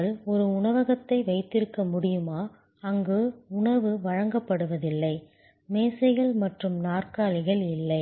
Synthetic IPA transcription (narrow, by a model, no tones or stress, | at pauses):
ɐlɔɾɯʊɳɐʋɐɣɐt̪ːɐɪʋɐɪt̪ːɪɾɯkːɐmʊɽɪjɯmaː | ɐŋɡɯʊɳɐʋɯʋɐɻɐŋɡɐpːɐɽɯʋɐðɪlːɐɪ | meːsɐɪɣɐɭmɐʈrɯmnaːrkaːlɪɣɐɭɪlːɐɪ